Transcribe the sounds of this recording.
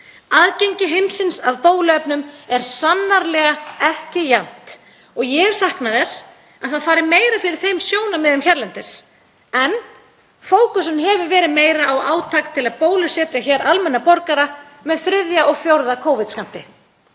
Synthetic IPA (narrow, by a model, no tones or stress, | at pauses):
aːðcejɲcɪɦemsɪnsaðpoːwlʏœpnʏmɛɾ̥sanːaɾlɛːɣaɛhcɪjan̥t̪ | ɔɣjɛɾ̥sahknaðɛs | aðθaðfaːɾɪmeːjɾafɪɾɪɾ̥θejmsjoːwnamɛðʏmçɛɾlɛnt̪ɪs | ɛn | foːwkʏsʏnɦɛvʏvɛːɾɪðmeːjɾaːwa̰ːwt̪ʰaːkt̪ʰɪlaðpoːwlʏsɛːt̪açɛːɾʔalmɛnːapɔɾkaɾa | mɛðfɾɪðjaʔɔɣfjowɾðakʰoːwvɪðskam̥t̪ɪ